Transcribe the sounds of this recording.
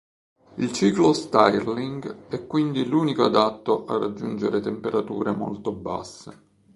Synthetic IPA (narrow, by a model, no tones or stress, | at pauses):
ilt͡ʃiːklost̪ajliŋɡɛkːwind̪iluːnikoad̪at̪ːoʔarːad͡ʒːund͡ʒeɾet̪empeɾat̪uːɾemo̰lt̪oba̰sːe